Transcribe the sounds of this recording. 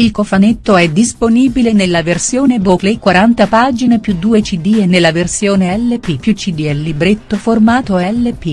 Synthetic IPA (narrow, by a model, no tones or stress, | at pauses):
ilkofanet̪ːoɛd̪ːisponiːbilenelːaversjoːneboklekwaɾant̪apaːd͡ʒinepjud̪ːuːet͡ʃid̪ienːelːaversjoːneɛlːepipjut͡ʃid̪iɛlːibɾet̪ːoformaːt̪oɛlːepi